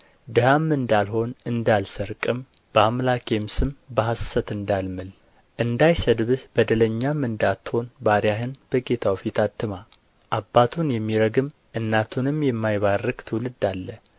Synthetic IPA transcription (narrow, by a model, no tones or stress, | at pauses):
d̪ɨhamːɨnd̪alɦo̞nɨnd̪alsəɾkʼɨm | b̥əamlakjɛmsɨmbəɦasːət̪ɨnd̪almɨl | ʔɨnd̪ajsəd̪βɨhbəd̪ələɲːamːɨnd̪at̪ho̞nbaɾjaɦɨnb̥əɡe̞t̪ʰawfit̪ʰat̪ːɨma | ʔabːat̪ʰunjɛmːiɾəɡɨm | ʔɨnːat̪ʰunɨmjɛmːajβarːɨɡt̪ʰɨwlɨd̪alːə